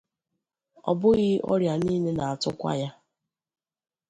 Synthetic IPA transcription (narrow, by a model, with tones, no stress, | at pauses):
ɔ̰˨bʊ˦ɣɪ˦ɔ̰˦ɾja˨ni˦ne˦na˨a˨tʊ˦kʷa̰˦ja˦